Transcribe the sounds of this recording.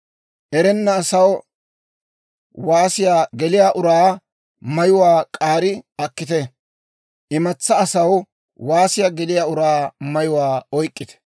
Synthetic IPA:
ʔɛɾɛnːɐːsɐw | waːsɪjaːɡɛlɪjaʔʊɾaː | mɐjʊwaːkʼaːɾɪɐkːɪt̪ɛ | ʔɪmɐt͡sːɐːsɐw | waːsɪjaːɡɛlɪjaːʊɾaːmɐjʊwaːɔjkʼːɪt̪ɛ̥

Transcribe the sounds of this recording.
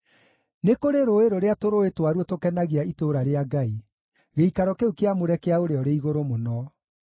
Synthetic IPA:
nekoɾeɾoeɾoɾeatoɾoetwaɾuɔtokɛnaɣeaitoɾaɾeaɡai | ɣeikaɾɔkeukeamoɾɛkeaoɾeɔɾeiɣoɾomonɔ

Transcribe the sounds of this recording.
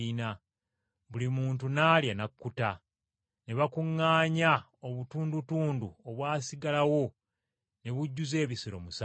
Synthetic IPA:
ina | βulimuːnt̬unaːljanakːuta | ne̞βakuŋːaːɲa | oβutuːndutuːndṵoβwaːsiɡalawo̞ | ne̞βuɟːuze̞ːβisiɾo̞̰mus

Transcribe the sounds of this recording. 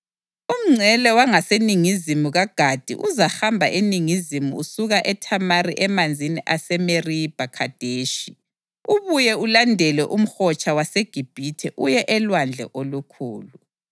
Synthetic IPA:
um̩ŋ͡ǀʱɛlɛwaŋaseniŋizimuɣaɡ̥ʱad̥ʱḭʔuzaxambʱaʔeniŋizimuusuɣaʔɛtʰamariʔɛmand͡zʱiniʔasɛmerib̥ʱakʰad̥ʱeːʃi | uβujɛulandʱɛlɛʔum̩xɔt͡ʃʰʼawaseɡ̥ʱib̥ʱitʰɛʔujɛʔɛlwand͡ɮʱɛ̰ʔolukʰuːlu

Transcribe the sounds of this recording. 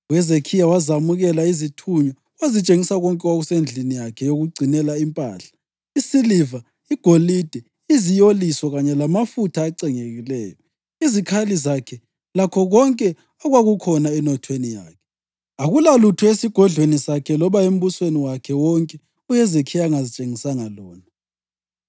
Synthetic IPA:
ujɛzekʰijawazamuɣɛlaizitʰuɲɔ | wazit͡ʃʼeŋisaɣɔŋkʼɛwoɣusend͡ɮʱinijakʰɛjoɣuɡ͡ǀʱinɛlaimpʼa̰ːɬḁ | isiliva | iɡ̥ʱolid̥ʱɛ | izijoliswɔɣaɲɛlamafutʰaːǀɛŋeɣilɛ̰ːjɔ | izikʰalizakʰɛ | lakʰɔɣɔŋkʼɛ | ɔɣwaɣukʰɔnaɛnɔtʰwenija̰ːkʰɛ̥ | aɣulalutʰuesiɡ̥ʱɔɮwenisakʰɛlɔβaem̩βusweniwakʰɛwɔŋkʼɛ | ujɛzekʰijaŋazit͡ʃʼeŋisaŋalɔːna

